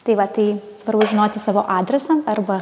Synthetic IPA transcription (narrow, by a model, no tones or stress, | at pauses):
t̪ɐɪʋɐt̪ɐɪsʋɐrbʊsʒʲɪnoːt̪ʲɪsɑːʋoːʔɑːd̪ʲɾʲɛsɐmɐrbɐ